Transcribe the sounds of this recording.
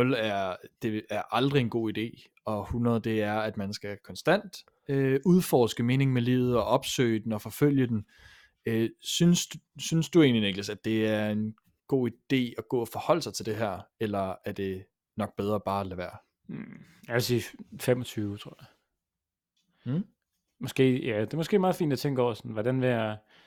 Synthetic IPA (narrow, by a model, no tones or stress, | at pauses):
ɔlæɐd̥e̝æɐʔɑ̈ld̥ʁie̝nɡ̥o̝̰ːid̥e̝̰ː | ɒ̽hunʁɐð̞̩ˠd̥e̝æɐæd̥mænsɡ̥ækʰɒ̽nsd̥æn̰d̥ | øuð̞ˠfɒːsɡ̥əme̝ːne̝ŋmelḭːʊð̞̩ˠɒ̽ʔɒ̽b̥sø̰ɪd̥en̩ɒ̽fɒ̽føl̰jəd̥en | øsynsd̥synsd̥ue̝̰ːnlineɡ̥ləsæd̥e̝æɐe̝n | ɡ̥o̝̰ːid̥e̝̰ːɒɡ̥ɔ̰̽ːɒfɒ̽hɒ̽l̰əsɑ̈ɪt͡sʰe̝ld̥e̝ɦæɐ̰elɐæɐd̥e̝ | nɒ̽ɡ̥̚b̥eð̞ˠʁɐb̥ɑ̈ːælæʋæɐ̰ | jæʋesiːfemɒt͡sʰyːʊt͡sʰʁo̝ɐ̰ja | mɒ̽sɡ̥e̝̰ːjæd̥e̝mɒsɡ̥e̝̰ːmɑ̈ːðˠfḭːnd̥æt͡sʰeŋ̰ɡ̥ɒʊ̰ɐsɒnʋɒɾ̥ænʋejæ